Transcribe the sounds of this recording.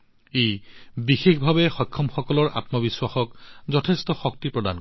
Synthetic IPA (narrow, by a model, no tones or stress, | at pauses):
ejbixexbʱabɛxɔjkʰːɔmxɔkɔlɔɹʔa̰tmɔbiswaxɔkzɔtʰestɔxɔk̚tipɹɔda̰nk